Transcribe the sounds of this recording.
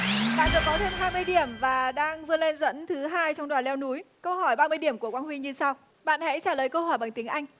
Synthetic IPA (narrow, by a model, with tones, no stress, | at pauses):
ɓa̰ː˧˨nɗɨ˨˧˨kɔ˨˦t̪ʰe˧mɦaː˧jmɨ˧əjɗi˧˩əmvaː˨˩ɗaː˧ŋvɨ˧əle˧nzə̰˧˥nt̪ʰɨ˨˦ɦaː˧jt͡ɕɔ˧wŋ͡mɗwaː˨˩nlɛ˧wnu˨˦jkə˧wɦɔ˧˩jɓaː˧mɨ˧əjɗi˧˩əmku˧˩əkwaː˧nhwi˧ɲɨ˧sa˧w | ɓa̰ː˧˨nhɛ̰˧˥t͡ɕaː˧˩ləː˨˩jkə˧whɔ˧˩jɓa˨˩ŋt̪ï˨˦ŋ̟ʔa˧jŋ̟